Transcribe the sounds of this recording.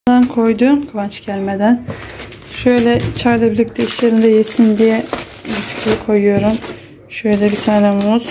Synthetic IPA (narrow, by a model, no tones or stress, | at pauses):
d̪ankʰo̞jd̪ukʰavant͡ʃɟælʲmed̪æn | ʃø̞jlʲɛt͡ʃʰaɾlˠabiɾlʲic̚ʲt̪ʰɛiʃlʲe̞ɾind̪ɛjesind̪ijɛ | byt̪ʰy̥cʲʰyjikʰo̞jujo̞ɾum | ʃø̞jlʲɛbit̪ʰaːnɛmumuz̥